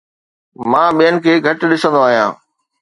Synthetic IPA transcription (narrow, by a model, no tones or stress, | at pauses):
mãːɓijənɪ̆kʰeːɡʱɐʈɗɪsə̃nd̪oaːɦijãː